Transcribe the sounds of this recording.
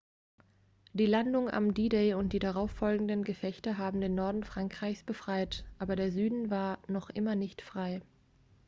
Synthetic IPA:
d̥iːlandʊŋʔa̰mdiːdeɪʊnt̚d̥iːdaʁaʊfɔlɡŋ̩dənɡəfɛçtɐɦaːbm̩deːnːɔɐdn̩fʁ̥aŋkʁ̥aɪçsb̥əfʁ̥aɪtʔaːbɐɾeːɐzyːdn̩vaːɐnɔχʔɪ̰mɐnɪçtfʁ̥aɪ

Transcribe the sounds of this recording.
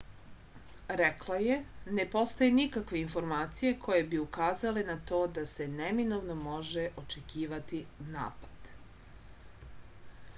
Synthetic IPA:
ɾeklˠaje̞ne̞po̞st̪ajenikakʋe̞info̞ɾmaːt̪sije̞kʰo̞je̞biukaːzale̞nat̪o̞ːd̪ase̞neminoʋnomo̞ʒeʔo̞t͡ʃe̞kiːʋat̪ina̰ːpḁd̪̥

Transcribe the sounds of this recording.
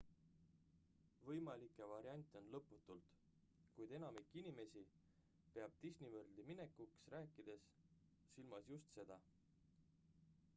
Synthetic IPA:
vɤjmɑlikːˑevɑɾiɑnʲt̪ːˑeo̞nlɤpːˑut̪ːˑult̪ | kujd̪̥enɑmikːˑinime̞si | pe̞ɑb̥̚t̪isʲnivɤrd̪imine̞kːuksɾæːkːˑid̪̥e̞s | silmɑsjust̪se̞d̪̥ɑ

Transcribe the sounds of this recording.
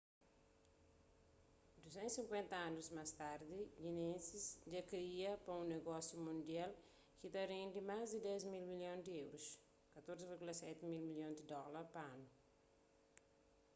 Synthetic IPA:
d̪uzẽnsĩŋkwẽnt̪ɐanuzmast̪aɾd̪iʎinẽnsisd͡ʒakɾiɐpɐũneɡɔsjumũnd̪jal | kit̪ɐɾẽnd̪imazd̪id̪ɛzmilmiljõnd̪iewɾus | kɐt̪oɾziviɾɡulɐsɛt̪imilmiljõd̪id̪ɔlɐɾpɐanu

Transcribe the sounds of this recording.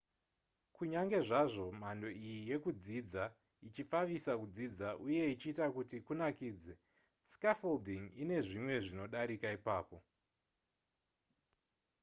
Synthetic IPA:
kuɲaŋɡe̞ʐaʐo̞mando̞ijije̞kud͡zid͡za | it͡ʃifaʋisakud͡zid͡zaʔuje̞it͡ʃiːtakutikunakiːd͡ze | skafoldiŋine̞ʐimwe̞ʐino̞ɗaɾikaipaːpo̞

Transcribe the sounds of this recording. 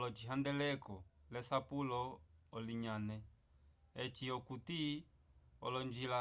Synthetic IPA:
lɔt͡ʃiɦandɛlɛkɔlɛsapulɔːliɲanɛ | ɛt͡ʃiɔkuti | ɔ̰lɔɲd͡ʒila

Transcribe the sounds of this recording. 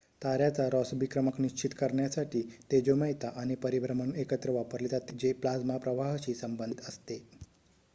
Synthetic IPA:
t̪aɾjat͡saɾɔsbikɾəməkniʃt͡ɕit̪kəɾɳjasaʈit̪ed͡ʒomajt̪aʔanepəɾibɾəməɳekət̪ɾəʋapəɾlit̪at̪ed͡ʑeplad͡zmapɾəʋaɦʃisəmbə̃nd̪it̪əst̪e

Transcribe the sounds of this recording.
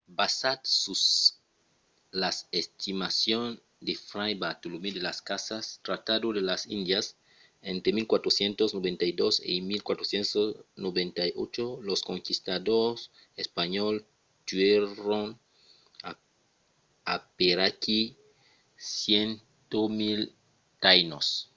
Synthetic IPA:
basat̪sus | lasest̪imasjon | d̪efɾajbat̪olumid̪elaskasast̪ɾat̪aðoðelasḭnd̪jas | ent̪ɾemilkwat̪ɾosjent̪oznoβent̪ajd̪osḭmilkwat̪ɾosjensosnoβẽnt̪ajo̰t͡ʃoloskoŋkist̪aðos | espaɲol | t̪wɥeɾoŋ | a | apeɾaki | sjen | t̪omil | t̪ajnos

